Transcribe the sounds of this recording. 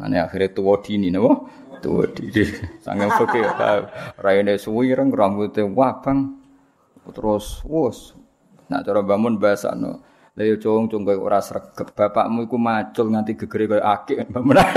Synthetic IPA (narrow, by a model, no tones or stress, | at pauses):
na̰neaxiɾet̪uwɔd̪̥ininawɔ | t̪ṵwɔ̰d̪̥inisa̰ŋɛpəkḛk̪a̰ɾajinesuiɾəŋɾambut̪ewab̥aŋ | t̪əɾʊswʊs | na̰ʔt͡ʃɔɾɔbamʊnbaasa̰nɔ̰ | lejot͡ʃoŋt͡ʃuŋɡɔjṵɾasrəɡ̥əp̚b̥a̤pa̰ʔmuikumat͡ʃʊlŋant̪iɡ̥ə̤ɡ̥ə̤ɾekɔjɔʔakɪʔnbamʊna